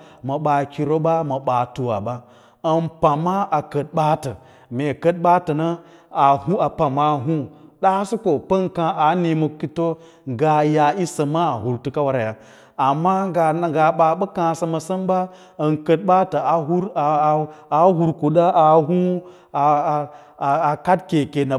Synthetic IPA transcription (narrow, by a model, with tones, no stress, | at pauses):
mɐ˨ɓa˨kʲi˨ɾo˦ɓa˦mɐ˨ɓa˨tu˨wa̰˨ɓa˦ | ɐ˨npa˨ma˦ʔa˨kə˨t̚ɓa˦tə˨ | me˨kɐ˦t̚ɓa˦tɐ˨nɐ˦ | a˨hu˦a˨pa˨ma˨ɦu˦ɗa˦su˦ko˨pə˦nkã˨a˨˦ni˨mo˨ki˦to˦ | ŋ˨ɡa˨ja˨i˦sɐ˨ma˦a˨hu˨ɾtu˦ka˦wa˦ɾa˨ja˨ | a˨mːa˦ɡa˨ɡa˨ɓa˨ɓɐ˦kã˨sɐ˨ma˨sɐ˦mba˦ | ɐ˨nkə˨t̚ɓa˦ta˨a˨ɦu˦ɾa˨ɦu˨ɾku˨ɗa˦ʔa˨ɦu˦ | a˨ | a˨ka˦dke˨ke˨na˨